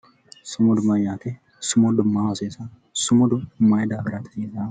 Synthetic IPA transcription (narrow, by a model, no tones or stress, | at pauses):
sʊmɔd̪ʊmɐjaːt̪ɛ | sʊmɔd̪ʊmːaːwɐseːsɐ | sʊmɔd̪ʊmajd̪aːɡɪɾaːt̪ɪ̥eːza